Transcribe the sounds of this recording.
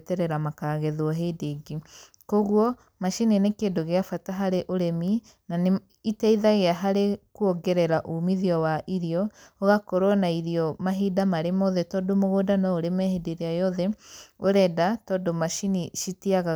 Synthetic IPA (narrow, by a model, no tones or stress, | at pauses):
tɛɾɛɾamakaːɣɛðwɔɦedeɡi | koɣwɔ | maʃininekeːndoɣeafataɦaɾeʔoɾɛmi | nane | itɛiðaɣeaɦaɾekuoɡɛɾɛɾaʔumiðiɔwaʔiɾiɔoɣakɔɾwɔnaiɾiɔmaɦidamaɾemoðɛtɔdomoɣodanɔoɾemɛhedeɾeajɔðɛoɾɛdatɔdomaʃiniʃitiaɣa